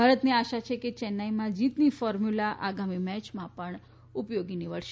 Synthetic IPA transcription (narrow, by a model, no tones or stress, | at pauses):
bʱaɾət̪niaʃat͡ʃʰeket͡ʃɛnːaimãd͡ʒit̪nifɔɾmjulaʔaɡamimɛt͡ʃmãpəɳ | upjoɡiniʋəɭʃe̥